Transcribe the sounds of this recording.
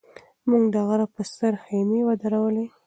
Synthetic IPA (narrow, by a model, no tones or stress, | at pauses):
muŋɡd̪aɣaɾapəst̪əɾxenewad̪aɾawəle